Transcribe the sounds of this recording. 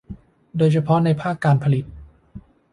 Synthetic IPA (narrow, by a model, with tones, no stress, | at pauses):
doː˧jt͡ɕʰa˧pʰɔ˦˥na˧jpʰaː˥˩kːaː˧npʰa˧li˨˩t̪̚